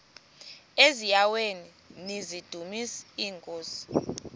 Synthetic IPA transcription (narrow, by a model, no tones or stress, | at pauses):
ezijaweni | nizid̥ʱumisiːŋkʼoːsi̥